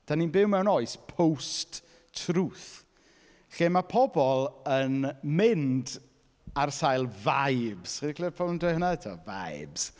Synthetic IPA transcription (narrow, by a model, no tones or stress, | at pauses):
d̥aninbɪwmɛwnɔɨspʰowst | tʰruːθ | ɬɪmapʰɔbɔlˠənmɪnd | arsajlˠvajbz̥χɪdikʰlɪpʰɔlndʊhənaɛtʰa̰va̰jbz̥